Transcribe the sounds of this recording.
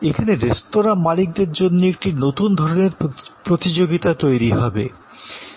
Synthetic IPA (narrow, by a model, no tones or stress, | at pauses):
ekʰaneɾest̪oɾamalik̚d̪eɾd͡ʑonːoek̚ʈinot̪und̪ʱɔɾoneɾpɾot̪id͡ʑoɡit̪at̪ojɾiɦɔbe